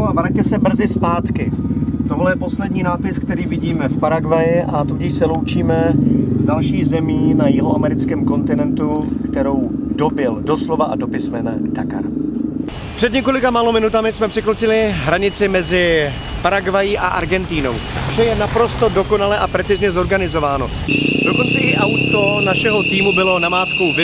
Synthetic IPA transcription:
avɾac̚t̪ɛsɛbr̩zɪspaːt̪kɪt̪oɦlɛjɛpo̞slɛdɲiːnaːpɪsk̚t̪ɛɾiːvɪɟiːmɛfpaɾaɡvajɪʔat̪uɟɪʃsɛlowt͡ʃiːmɛzdalʃiːɣzɛmiːnajɪɦoʔamɛɾɪt͡skɛːmko̞nt̪ɪnɛnt̪ukt̪ɛɾo̞wdo̞bɪldo̞slovaʔa̰do̞pɪsmɛnɛ̰t̪aka̰ɾ | pr̥ɛd̪ɲɛko̞lɪkamaːlo̞mɪnut̪amɪsmɛpr̥ɪklot͡sɪlɪɦɾaɲɪt͡sɪmɛzɪ | pɾaɡvajiʔa̰ʔa̰ɾɡɛnt̪iːno̞̰wʃɛjɛnapɾo̞st̪o̞do̞ko̞nalɛʔapɾɛt͡sɪzɲɛzo̞ɾɡanɪzo̞vaːno̞ | doko̞nt͡sɛʔɪʔawt̪o̞naʃɛɦo̞t̪iːmubɪlo̞namaːt̪ko̞wvɪ

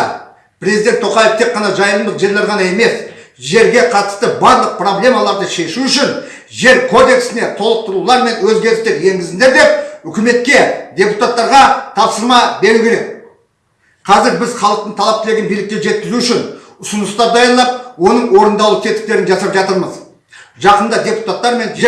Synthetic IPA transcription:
pʰɾʲezid̪et̪ʰoqɑjeft̪ʰe̞qːɑnɑʒɑjəlˠəmd̪əqʒe̞lːeɾʁɑnɑe̞me̞s | ʒe̞ɾɡʲe̞qʰɑt̪ə̥st̪əbɑɾlˠəq̚pro̞blʲe̞mɑlˠɑɾd̪əʃe̞ʃuʏʃɪn | ʒe̞ɾkʰo̞d̪e̞ksɪne̞t̪ʰo̞lˠəq̚t̪əɾulˠɑɾme̞nwɵzɡʲe̞ɾɪst̪e̞ɾje̞ŋɡʲɪzɪnd̪eɾd̪e̞p̚ʏkʲɪme̞t̪̚kʲe̞d̪ʲe̞put̪at̪ːɑɾʁɑt̪ʰɑpsəɾmɑbe̞ɾukʲʰe̞ɾe̞k | qʰɑzɪɾbɪzχɑlˠəq̚t̪əɴt̪ʰɑlˠɑp̚kʲʰeleɡʲɪnbijlɪkʲːe̞ʒe̞t̪kʲɪzuʏʃɪn | ʊsʊnʊst̪ɑɾd̪ɑjəɾlˠɑp̚wo̞nəɴwo̞ɾənd̪ɑwlˠət̪ʰet̪ɪ̥k̚t̪e̞ɾɪnʒɑsɾpʒɑt̪əɾməz | ʒɑqənd̪ɑd̪ʲe̞pu̥t̪at̪ːɑɾme̞n

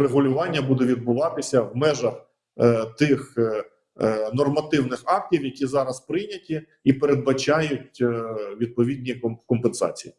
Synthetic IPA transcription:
reɦʊlʲʊʋɑnʲːɐbud̪ɛʋʲid̪̚bʊʋɑt̪ɪsʲɐwmɛʒɐx | t̪ɪx | nɔrmɐt̪ɪwnɪxɑk̚tʲiwjɐkʲizɑɾɐspɾɪjnʲɐtʲi | ipeɾed̪̚bɐt͡ʃɑjʊtʲʋʲid̪̚pɔʋʲid̪ʲnʲikɔmpensɑ̰t͡sʲiji

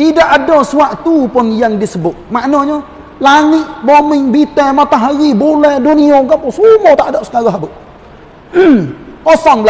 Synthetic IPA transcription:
t̪idaʔadosuaʔt̪upʊnjaŋdisəbʊʔ̪̚maʔnoɲɔ | laŋɪʔbomɪŋbit̪ɛmat̪aɦaɾibulɛhduniokapʊsumɔt̪aʔdɔʔsə̥kaɾɔɦabəʔ | osɔŋbl

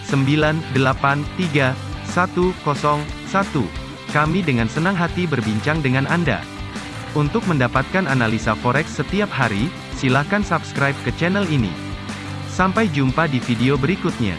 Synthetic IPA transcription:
səmbilandəlapant̪iɡasat̪ukɔsɔŋsat̪u | kamidəŋansənaŋɦat̪ibərbiɲt͡ʃaŋdəŋananda̰ | unt̪ʊk̚məndapat̪̚kananalisafɔɾɛksːət̪iap̚haɾi | silahkansabskɾajp̚kət͡ʃɛnɛlinḭ | sampajd͡ʒumpadifideobəɾikut̪̚ɲa̰

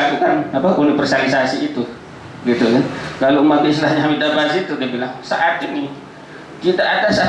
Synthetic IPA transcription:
kukanapaʔunifɛrsalisasiːt̪u | ɡit̪ukankalomabiislahɲaɦamidabasit̪udabilaŋsaʔat̪ini | kit̪aʔːtansaa

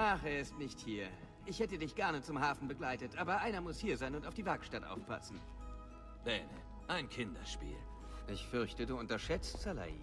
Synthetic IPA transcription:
ʔaχɛɐɪstnɪçthiːɐ | ʔɪçhɛtədɪçɡ̥ɛɐnət͡sʊmɦaːfn̩bəɡlaɪtətʔaːbɐʔaɪnɐmʊshiːɐzaɪnʊntaʊfd̥iːvɛɐkʃtatʔa̰ʊfpʰa̰sn̩ | b̥ɛːnə̰ | ʔaɪnkʰɪndɐ̰ʃpḭːl | ʔɪçfʏɐçtəduːʊntɐʃɛt͡stz̥ala̰ḭ

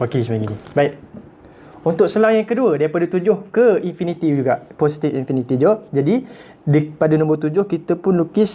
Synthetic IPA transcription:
pakisəmaɡinibaɪk̚ | unt̪ʊk̚səlaŋjaŋkəduədaipadət̪ud͡ʒʊhkəinfinit̪id͡ʒuɡaʔposi̥t̪ifinfinit̪id͡ʒaaʔd͡ʒadi | dipadənɔ̃mbərt̪ud͡ʒʊhkit̪əpʊnlukɪs

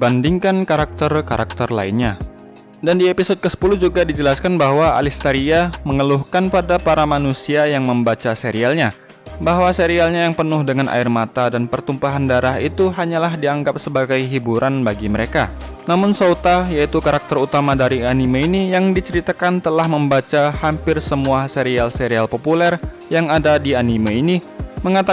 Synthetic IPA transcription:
bandiŋkankaɾak̚t̪ərkaɾa̰k̚t̪ərla̰inɲa | dandiepisɔd̚kəsə̥puluhd͡ʒuɡadid͡ʒəlaskanbaɦwaa̰list̪aɾiaməŋəluhkanpadapaɾamanusiajaŋməmbat͡ʃaseɾialɲa | baɦwaseɾialɲajaŋpənʊhdəŋanʔa̰ɪrmat̪adanpərt̪umpaɦandaɾaɦit̪uɦaɲalahdiaŋɡap̚səbaɡajɦibuɾʔanbaɡiməɾeka | namʊnsot̪ajait̪ukaɾak̚t̪ərut̪amadaɾianimainijaŋdit͡ʃəɾit̪akant̪əlahməmbat͡ʃahampɪrsəmuaseɾialseɾialpopulɛr | jaŋadadianimaini | məŋat̪a

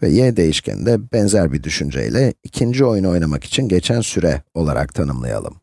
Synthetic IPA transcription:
vɛ̰jɛd̪e̞jiʃcʰɛ̰nd̪ɛbɛnzæɾbid̪yʃynd͡ʒɛ̰jlʲɛicʰind͡ʒio̞juno̞jnamaki̥t͡ʃʰinɟet͡ʃʰænsyɾɛ̰o̞lˠaɾa̰k̚t̪ʰanɯmlˠa̰ja̰lˠɯ̰m

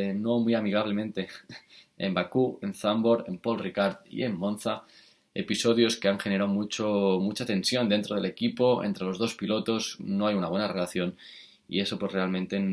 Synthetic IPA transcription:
no̞mwiamiɣ̞aβ̞le̞mẽ̞nt̪e̞ | ḛmbakue̞nθambo̞ɾe̞mpo̞lrikaɾt̪ḭe̞mːõ̞nθa | e̞̰piso̞ðjo̞ske̞aŋxe̞ne̞ɾawmut͡ʃomut͡ʃat̪e̞nsjo̞nd̪e̞nt̪ɾo̞ð̞e̞le̞kipo̞ḛnt̪ɾe̞lo̞zðo̞spilo̞t̪o̞zno̞ajunaβwe̞nare̞laθjo̞n | ḭe̞so̞pwo̞sre̞almẽ̞nt̪e̞

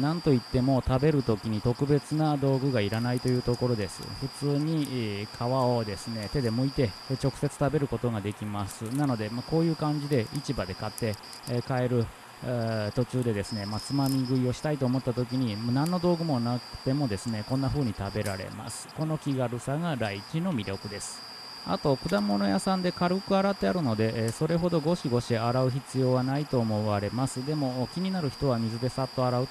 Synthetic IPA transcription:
nãnt̪o̞it̪ːe̞mo̞t̪abe̞ɾɯ̟t̪o̞kʲiɲ̟it̪o̞kɯ̟be̞t͡sɨnad̪o̞ːɡɯ̟ɡaiɾanait̪o̞jɯːt̪o̞ko̞ɾo̞d̪e̞sɨ̰ɸɯ̟t͡sɨːɲ̟ikʰaβao̞d̪e̞sɨne̞t̪e̞d̪e̞moit̪e̞ | t͡ɕo̞kɯ̟̥se̞t͡sɨ̥t̪abe̞ɾɯ̟ko̞t̪o̞ɡad̪e̞kʲimasɨnano̞d̪e̞mako̞ːjɯ̟ːkãɲ̟d͡ʑid̪e̞it͡ɕibad̪e̞kat̪ːe̞ | kae̞ɾɯ̟ | t̪o̞t͡ɕɨːd̪e̞d̪e̞sɨne̞mat͡sɨmamʲiɡɯ̟io̞ɕi̥t̪ait̪o̞ːmot̪ːat̪o̞k̬ʲiɲ̟inãnːo̞d̪o̞ːɡɯ̟mo̞nakɯ̟̥t̪e̞mo̞d̪e̞sɨne̞kõ̞nːaɸɯ̟ːɲ̟it̪abe̞ɾa̰ɾe̞̰ma̰sɨ̥ko̞no̞kʲiɡaɾɯ̟saɡaɾaikʲino̞mʲiɾʲjo̞kɯ̟d̪e̞sɨ̥ | a̰t̪o̞kɯ̟d̪amo̞no̞jasãnd̪e̞kaɾɯ̟kɯ̟aɾat̪ːe̞aɾɯ̟no̞d̪e̞ʔso̞ɾe̞ɦo̞d̪o̞ɡo̞ɕiɡo̞ɕieaɾaɯ̟çit͡sɨjo̞ːβanait̪o̞ːmo̞βaɾe̞masɨd̪e̞mo̞kʲiɲ̟inaɾɯ̟çi̥t̪o̞βamʲizɨd̪e̞sat̪ːo̞aɾaɯ̟

